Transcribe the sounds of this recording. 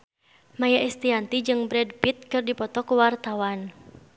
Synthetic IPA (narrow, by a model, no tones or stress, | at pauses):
majaʔist̪iant̪id͡ʒɨŋbɾɛdpit̪̚kɨrdipɔt̪ɔkuwart̪awan